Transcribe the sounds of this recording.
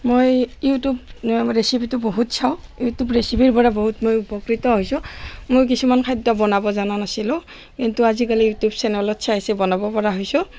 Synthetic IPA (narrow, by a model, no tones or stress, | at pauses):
mojjutubɹesibitʊboɦutsʰaʊ̃jutubɹesibʱiɹpɔɹaboɦutmojupɔkɹitɔɦojsũmojk̬isumankʰajdɔbɔnabɔzananasilʊ̃ | kintuazikalijutjubsɛnɔlɔtsʰaasɛbɔnabɔpɔɹaɦojsu